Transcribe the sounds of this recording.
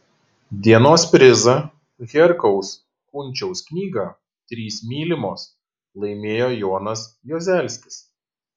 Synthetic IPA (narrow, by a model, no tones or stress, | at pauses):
d̪ʲiɛnoːspʲɾʲɪzɐ | ɣʲɛɾkɔʊs | kʊnʲˑt͡ʃʲɛʊsknʲiːɡɐ | t̪ʲɾʲiːsmʲiːlʲɪmoːs | lˠɐɪmʲeːjoːjoːnɐsjoːzʲæˑlʲsʲkʲɪs